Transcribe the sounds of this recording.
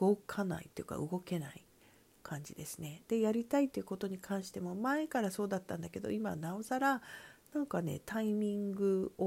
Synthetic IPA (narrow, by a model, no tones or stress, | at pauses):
ɡo̞kʰana̰ḭt̪ːoiɯ̟ka̰ɯ̟ɡo̞ke̞naḭ | kʰãɲ̟d͡ʑid̪e̞sɨne̞d̪̥e̞jaɾʲit̪ait̪ːeiɯ̟ko̞t̪o̞ɲ̟ikʰãɰ̃ɕi̥t̪e̞mo̞mae̞kaɾaso̞ːd̪at̪ːãnd̪ake̞d̪o̞̰ima̰nao̞zaɾanãŋkane̞̰t̪aimʲĩŋɡɯ̟o